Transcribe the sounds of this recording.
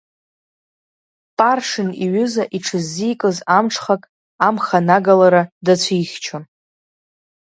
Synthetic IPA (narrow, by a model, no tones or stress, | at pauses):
pʼarʂɨniɥʏzaʔiʈ͡ʂʰɨzːijkʼɨzamʈ͡ʂʰχakʼ | amχanaɡalaɾadat͡ɕʷʰijχʲt͡ʃʰa